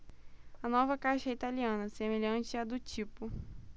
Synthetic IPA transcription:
ɐnɔvɐkajʃɐit̪aliɐ̃nɐsemeʎɐ̃nt͡ʃɪɐd̪ʊt͡ʃipʊ

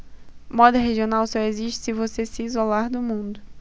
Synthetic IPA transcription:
mɔd̪ɐɦeʒionawsɔeziʃt͡ʃɪ̥sɪvosesiːzolaɾd̪ʊmũnd̪ʊ

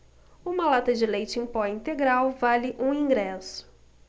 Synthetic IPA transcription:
ũmɐlat̪ɐd͡ʒɪlejt͡ʃɪẽj̃pɔĩnt̪eɡɾawvalɪʔũĩŋɡɾɛsʊ̥

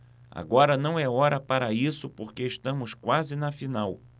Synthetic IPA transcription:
a̰ɡɔɾɐnɐ̃w̃ɛɔɾɐpaɾɐisʊpoɾkeʃt̪ɐ̃mʊskwazɪnɐfinaw

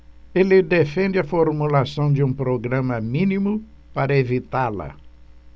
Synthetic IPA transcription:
elɪd̪efẽnd͡ʒɪɐfoɾmulasɐ̃w̃d͡ʒɪũpɾoɡɾɐ̃mɐmĩnimʊ | paɾɐevit̪alɐ̰

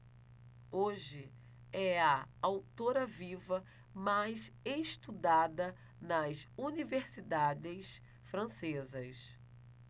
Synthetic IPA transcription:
oʒɪ | ɛɐawt̪oɾɐvivɐ | majseʃt̪ud̪ad̪ɐ | nɐsuniveɾsid̪ad͡ʒɪs | fɾɐ̃sezɐs

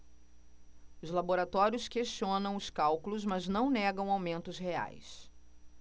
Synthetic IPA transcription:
ʊzlaboɾat̪ɔɾjʊskeʃt͡ʃiõnɐ̃w̃ʊskawkulʊzmɐznɐ̃w̃nɛɡɐ̃w̃awmẽnt̪ʊzhea̰js

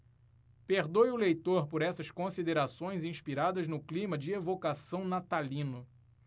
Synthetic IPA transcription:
peɾd̪ojʊlejt̪oɾpoɾɛsɐskõsid̪eɾasõj̃zĩʃpiɾad̪ɐznʊklĩmɐd͡ʒɪevokasɐ̃w̃nat̪alĩnʊ

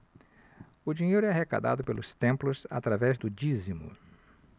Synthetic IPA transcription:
ʊd͡ʒiɲejɾʊɛɐɦeka̰d̪a̰d̪ʊpelʊst̪ẽmplʊsa̰t̪ɾavɛzd̪ʊd͡ʒizimʊ̰

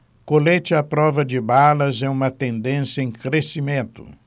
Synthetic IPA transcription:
kolet͡ʃɪɐpɾɔvɐd͡ʒɪbalɐzɛũmɐt̪ẽnd̪ẽsjɐẽj̃kɾesimẽnt̪ʊ̥̰

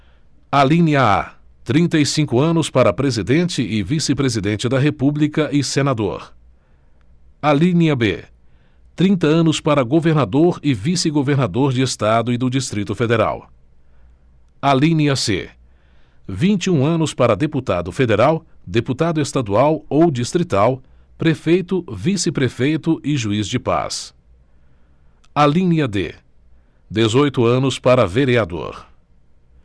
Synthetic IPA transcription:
alĩniɐa̰t̪ɾĩnt̪ɐisĩkʊɐ̃nʊspaɾɐpɾezid̪ẽnt͡ʃɪʔɪvisɪpɾezid̪ẽnt͡ʃɪd̪ɐɦepublikɐʔɪsenad̪o̰ɾ | alĩniɐbḛ | t̪ɾĩnt̪ɐɐ̃nʊspaɾɐɡoveɾnad̪oɾɪvisɪɡoveɾnad̪oɾd͡ʒɪest̪ad̪ʊɪd̪ʊd͡ʒist̪ɾit̪ʊfed̪eɾa̰w | alĩniɐsḛ | vĩnt͡ʃiũɐ̃nʊspaɾɐd̪eput̪ad̪ʊfed̪eɾawd̪eput̪ad̪ʊest̪ad̪uawowd͡ʒist̪ɾit̪aw | pɾefejt̪ʊvisɪpɾefejt̪ʊʔɪʒuizd͡ʒɪpa̰s | alĩniɐd̪ḛ | d̪ezojt̪ʊɐ̃nʊspaɾɐveɾiad̪o̰ɾ

